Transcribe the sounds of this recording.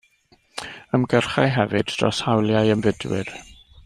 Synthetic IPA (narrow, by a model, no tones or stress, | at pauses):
əmɡərχajɦɛvɨdrɔ̰shawlˠjajəmvɪdwɪ̰r